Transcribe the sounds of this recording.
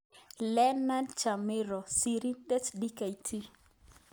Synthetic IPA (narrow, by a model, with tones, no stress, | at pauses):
lɛ˦na˦nt͡ʃa˨mɪ˦ɾɔ˨si˨ɾi˦dɛ˦tdi˦ka˨i˨tʰi˦